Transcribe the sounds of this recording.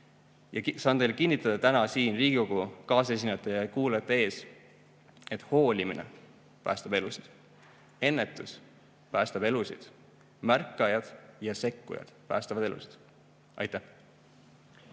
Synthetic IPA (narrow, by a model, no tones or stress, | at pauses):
jɑsɑːnejlkinʲːit̪ːˑɑd̪̥ɑt̪ænɑsiːnriːɡ̥iko̞ɡ̥ukɑːse̞s̬ʲinːet̪ːˑejɑkuːlet̪ːˑee̞ːs | e̞t̪ːˑho̞ːlʲiminḛ | pæ̰ːst̪ɑb̥e̞lusid̪̥ | e̞nːe̞t̪ːˑus | pæːst̪ɑb̥e̞lusid̪̥ | mærkːˑɑjɑd̪̥jɑse̞kːṵjɑ̰d̪̥pæ̰ːst̪ɑvɑd̪e̞lṵsi̥d̪̥ | ʔɑ̰jt̪ːˑæh